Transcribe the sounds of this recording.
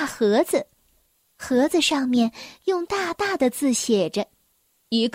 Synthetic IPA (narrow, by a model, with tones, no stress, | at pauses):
xɤ˧˥d͡zɹ̩˧ | xɤ˧˥d͡zɹ̩˧ʂɑ˥˧ŋmjɛ˥˧njʊ˥˧ŋt̪a˥˧t̪a˥˩d̪ə˩t͡sɹ̩˥˩ɕjɛ˨˩ʈ͡ʂə˦ | i˧˥ɡ